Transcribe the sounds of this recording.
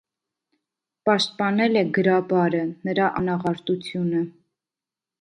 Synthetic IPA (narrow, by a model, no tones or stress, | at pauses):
pɑʃt̪̚pɑnɛlɛɡəɾɑbɑɾənəɾɑʔɑnɑʁɑɾt̪ut͡sʰjunə